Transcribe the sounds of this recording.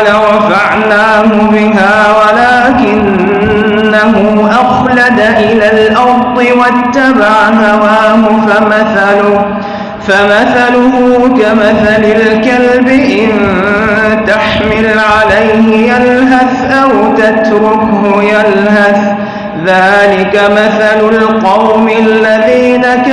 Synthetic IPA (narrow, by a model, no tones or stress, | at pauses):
laɾɑfaʕnaː | ɦʊbɪɦaː | walaːkɪnː | aɦʊ | ʔaxlad̪aʔɪlaːlʔɑɾt̪ˤɨwat̪ːabaʕaɦawaːɦʊfamaθalʊ | famaθalʊɦʊkamaθalɪlkalbɪʔɪn | t̪aħmɪlʕalajhɪjalɦaθʔawt̪at̪ɾʊkɦʊjalɦaθ | ðaːlɪkamaθalʊlqɑwmɪlːaðiːnak